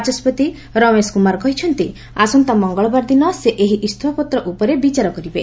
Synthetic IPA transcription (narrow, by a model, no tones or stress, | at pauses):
d͡ʒɔspɔt̪i | ɾɔmeskumaɾkɔɦit͡ʃʰɔnt̪i | asɔnt̪amɔŋɡɔɭɔbaɾd̪inɔseʔeɦiʔist̪ʰwapɔt̪ɾɔʔupɔɾebit͡ʃaɾɔkɔɾibe